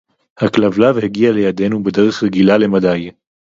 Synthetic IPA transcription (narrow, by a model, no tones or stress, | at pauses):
haklavlavheɡiale̞jade̞nube̞de̞ʁeχʁeɡilale̞madaj